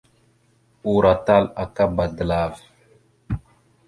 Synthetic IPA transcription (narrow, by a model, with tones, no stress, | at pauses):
u˨ɾa˨ta˦la˨ka˦ba˨də˨la˨v